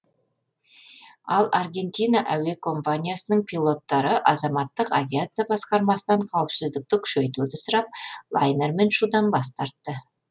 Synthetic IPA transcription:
ɑlˠʔarɡʲe̞nt̪ʲijnaʔæwe̞kʰo̞mpanʲijasənəɴpʰilˠo̞t̪ːɑɾəʔɑzɑmɑt̪ːəqavʲiat̪sɨjabɑsqɑɾmɑsənɑɴqʰɑwəpsɪzd̪ɪk̚t̪ɪkʲʰʏ̥ʃejt̪uɾd̪ɪsəɾɑp̚lˠajneɾme̞nʃud̪ɑnbɑs̬t̪ɑɾt̪ːə

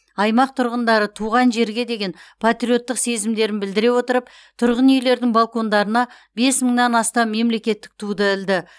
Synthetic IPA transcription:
ɑjmɑq̚t̪ʰʊɾʁənd̪ɑɾət̪ʰuʁɑnʒe̞ɾɡʲe̞d̪e̞ɡʲe̞npʰat̪ɾijo̞t̪ːəqse̞zɪmd̪e̞ɾɪnbɪld̪ɪɾe̞wo̞t̪əɾəp | t̪ʰʊɾʁənejle̞ɾd̪ɪŋbalˠko̞nd̪ɑɾənɑ | be̞sməŋnɑnɑst̪ɑmːe̞mle̞kʲe̞t̪ːɪ̥k̚t̪ʰud̪əɪld̪ɪ

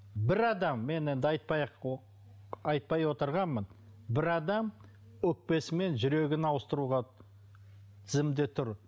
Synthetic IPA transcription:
bɪɾɑd̪ɑmːe̞ne̞nd̪ɪɑjt̪̚pɑjq | ɑjt̪̚pɑjwo̞t̪əɾʁɑnmən | bɪɾɑd̪ɑm | ɵk̚pe̞sɪme̞nʒʏɾe̞ɡʲɪnɑwəst̪əɾuʁɑ | t̪ʰɪzɪmd̪et̪ʰʊɾ

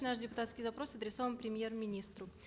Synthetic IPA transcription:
naʂdʲɪpʊt̪at̪skʲijzɐpɾo̞sɐd̪ɾʲɪso̞vənpɾʲɪmʲjermʲɪnʲist̪ɾʊ

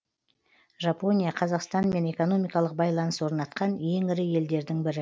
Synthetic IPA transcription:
ʒɑpo̞nʲijaqʰɑzɑqst̪ɑnme̞ne̞ko̞no̞mijkɑlˠəq̚bɑjlˠɑnəswo̞ɾnɑt̪̚qɑnje̞ŋɪɾɪje̞ld̪e̞ɾd̪ɪŋbɪɾɪ

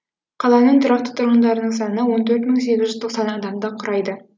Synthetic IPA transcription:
qʰɑlˠɑnəɴt̪ʰɪɾɑqt̪ə̥t̪ʰʊɾʁənd̪ɑɾənəɴsɑnənəwo̞nt̪ʰɵɾt̪məɴse̞ɡʲɪzʒʏzt̪ʰoqsɑnɑɴɑd̪ɑmd̪ɑqʰʊɾɑjd̪ə

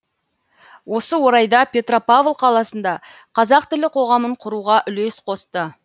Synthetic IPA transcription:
wo̞səwo̞ɾɑjd̪ɑpʲe̞t̪ro̞pavlˠqʰɑlˠɑsənd̪ɑ | qʰɑzɑqt̪ɪlɪqʰo̞ʁɑməɴqʰʊɾuʁɑʔʏle̞sqʰo̞st̪ə

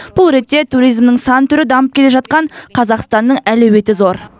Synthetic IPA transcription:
b̥ʊlˠɾe̞t̪ːe̞t̪ʰuɾijzmnəŋsɑnt̪ʰʏɾɪd̪ɑməp̚kʲʰe̞le̞ʒɑt̪qɑɴqʰɑzɑqst̪ɑnːəɴælewe̞t̪ɪzo̞ɾ

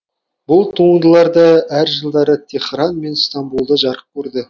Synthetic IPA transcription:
bʊlˠt̪ʰuəɴd̪əlˠɑɾd̪əæɾʒəlˠd̪ɑɾət̪ʲʰe̞χrɑnme̞nst̪ambulˠd̪əʒɑɾəp̚kʲʰɵɾd̪ɪ

